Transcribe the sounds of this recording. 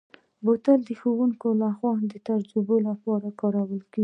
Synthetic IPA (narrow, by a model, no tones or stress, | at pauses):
bot̪əld̪əxowuŋkolaxwɑd̪ət̪aɾd͡ʒubolapɑɾakɑɾawəlkeɡi